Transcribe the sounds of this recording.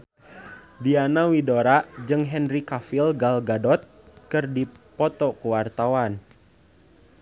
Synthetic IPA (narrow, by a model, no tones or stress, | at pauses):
dianawidoɾad͡ʒɨŋɦɛnrikafilɡalɡadɔt̪̚kɨrdipɔt̪ɔkuwart̪awan